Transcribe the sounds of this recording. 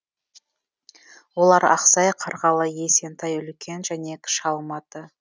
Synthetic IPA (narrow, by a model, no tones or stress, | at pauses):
wo̞lˠɑɾɑ̰qsɑjqʰɑɾʁɑlˠəje̞se̞nt̪ʰɑjʏlkʲʰe̞nʒæne̞kʲʰɪ̥ʃɑlˠmɑt̪ə